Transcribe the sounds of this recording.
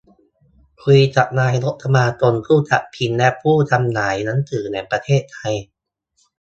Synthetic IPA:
kʰu˧jt͡ɕa˨˩p̚naː˧jɾo˦˥t̪̚t̪ʰːa˧maː˧t͡ɕo˧nkʰuː˥˩t͡ɕa̰˨˩t̚pʰi˧nlɛ˦˥ʔpʰuː˥˩t̪ʰa˧mnaː˩˦jna˦˥nt̪ʰɯː˨˩˦nɛː˨˩ŋpɾa˧t̪ʰeː˥˩t̪ʰːa˧j

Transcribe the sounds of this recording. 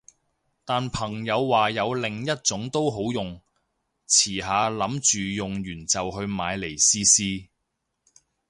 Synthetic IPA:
t̪aː˨npʰɐ˨˩ŋjɐ˨˧wːaː˨jɐ˨˧wlɪ˨ŋjɐ˥t̚t͡sʊ˨˥ŋt̪o˥wɦo˨˥wjʊ˨ŋ | t͡sʰiː˨˩ɦaː˨˧lɐ˨˥mt͡ʃyː˨jʊ˨˩ŋjyː˨˩nt͡sɐ˨wɦɵ˧ɥmaː˨˧jle˨˩jsiː˥siː˥

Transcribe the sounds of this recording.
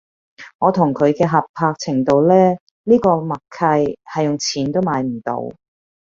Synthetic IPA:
ŋɔː˨˧t̪ʰʊ˨˩ŋkʰɵ˨˧ɥkɛː˧ɦɐ˨p̚pʰaː˧k̚t͡sʰɪ˨˩ŋt̪o˧wlɛː˥ | liː˥kɔː˧mɐ˨kkʰɐ˧jhɐ˨jʊ˨ŋt͡sʰiː˨˩nt̪o˥wmaː˨˧jm̩˨˩t̪o̰˨˧w

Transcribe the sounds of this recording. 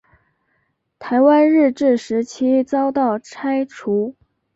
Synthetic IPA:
t̪ʰa˧˥ɪwa˥nɻɻ̩˥˧ʈ͡ʂɻ̩˥˩ʂɻ̩˧˥t͡ɕʰi˥t͡sɑ˥ʊt̪ɑ˥˩ʊʈ͡ʂʰa˥ɪʈ͡ʂʰu˧˥

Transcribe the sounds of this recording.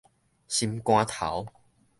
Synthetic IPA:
ɕi˧mkw̃ãː˦t̪ʰa̰˨˦w

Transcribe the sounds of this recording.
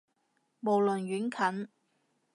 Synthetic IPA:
mo˨˩wlɵ˨nɥyː˨˥nkʰɐ˨˥n

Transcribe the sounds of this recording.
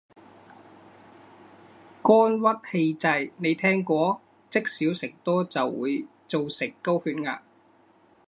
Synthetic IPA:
kɔː˥nwɐ˥t̚he˧jt͡sɐ˨˧jne˨˧jt̪ʰɛː˥ŋkʷɔː˥ | t͡sɪ˥k̚siː˨˥wsɪ˨k̚t̪ɔː˥t͡sɐ˨wːuː˨˧j | t͡so˨wsɪ˨˩kːo˥whyː˧nŋa̰ː˧

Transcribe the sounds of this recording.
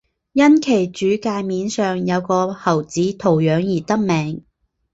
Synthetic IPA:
jɐ˥nkʰe˨˩jt͡ʃyː˨˥kaː˧jmiː˨˧nsœː˨ŋjɐ˨˧wkɔː˧hɐ˨˩wt͡siː˨˥t̪ʰo˨˩wjœː˨˧ŋjiː˨˩t̪ɐ˥k̚mɛː˨˧ŋ

